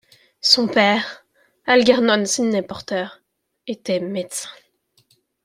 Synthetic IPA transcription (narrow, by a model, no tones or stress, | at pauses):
sɔ̃pɛːʁ | alɡʲaʁnɔnsinːepɔʁt̪œːʁ | et̪ɛmed̪sɛ̥̃